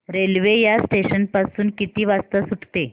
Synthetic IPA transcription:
ɾelʋejasʈeɕənpasuːnkit̪iːʋast̪əsuʈʰt̪e

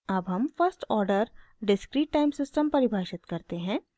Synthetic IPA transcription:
ɐbɦɐmfɐɾsʈɔːɾɖəɾɖɪskɾiːʈːaːɪmsɪsʈəmpɐɾɪbʱaːʃɪt̪kɐɾt̪eɦɛ̃ː

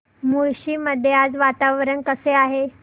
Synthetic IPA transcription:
mujɕiːməd̪ʱːjead͡zʋat̪aʋɾənkəseaɦe

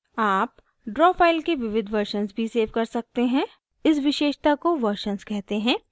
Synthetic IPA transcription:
aːp | ɖɾɔːfaːɪlkeʋɪʋɪd̪ʱʋɐɾʃənsbʱiseːʋkɐɾsɐk̚t̪eɦɛ̃ | ɪs̬ʋɪʃeːʃt̪akoʋɐɾʃənskɛɦt̪eɦɛ̃ː

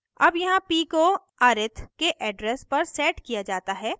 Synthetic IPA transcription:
ɐbjɐɦãpiːko | aːɾɪt̪ʰkeʔɛːɖɾɛːspɐɾsɛːʈkijad͡ʒaːt̪aɦɛː

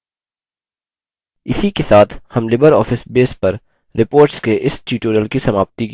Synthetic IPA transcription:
ɪsikesaːt̪ʰhɐmlɪbəɾɔːfɪsbeːspɐɾ | ɾɪpoːɾʈskeʔɪsʈuːʈoːɾəlkisɐmaːbt̪ik

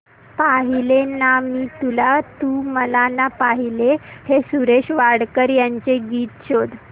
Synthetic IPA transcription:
paɦilenamiːt̪ulat̪uməlanapaɦilehesuɾeɕʋaɽkəɾjaɲt͡seɡiːt̪ɕod̪

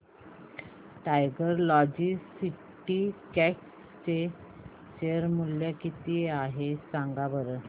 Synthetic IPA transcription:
ʈajɡəɾlɔd͡ʑisi | ʈikɛks | t͡ɕe | ɕeɾmuljakit̪iaɦesãŋɡabəɾə

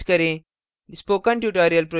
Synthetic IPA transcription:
kəɾẽ | spoːkãɳʈjuʈɔɾijəlpɾo

